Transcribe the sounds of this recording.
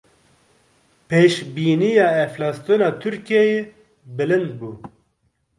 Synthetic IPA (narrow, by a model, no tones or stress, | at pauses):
pʰeːʃbiːnijɑːɛflɑːst̪ɨnɑːt̪ʰʊɾkijɛje | bɨlɨnd̪̚buː